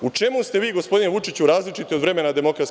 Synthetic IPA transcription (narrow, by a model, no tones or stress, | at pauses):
ut͡ʂe̞must̪e̞ʋiːɡo̞spo̞d̪ineʋut͡ʂit͡ɕuɾaːzlit͡ʃit̪io̞d̪ʋɾe̞me̞nad̪e̞mo̞kɾat̪